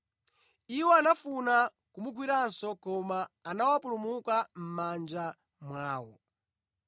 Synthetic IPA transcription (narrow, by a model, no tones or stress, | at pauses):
iwɔanafuna | kumuɡwiɾansɔkɔmaːnawapulumukam̩mand͡ʒa | mwaːwɔ